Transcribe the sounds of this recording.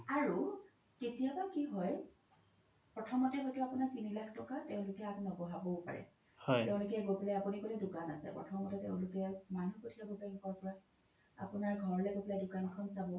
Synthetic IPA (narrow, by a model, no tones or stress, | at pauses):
aɹu | ketijabakiɦɔj | pɹɔtʰɔmɔtɛɦɔjtʊapunaɹkinilakʰtɔkatɛʊ̃lʊkɛapnɔbɔɦabɔʊpa̰ɹɛ̰ | hɔjtɛʊ̃lʊkiaɡopilajapunikolidukana̰sɛ̰pɹɔ̰tʰɔmɔtɛtḛʊ̃lʊkɛmanukotʰiaɡoplankɔɹpɔɹa | a̰punaɹɡʱɔɹɔlɛɡopilajdʊkanɔkʰɔnsabɔ